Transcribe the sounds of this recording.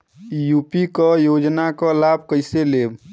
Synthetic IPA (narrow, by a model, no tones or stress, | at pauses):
juːpikɔjod͡ʒnakəlab̚ʱkəɪseleːb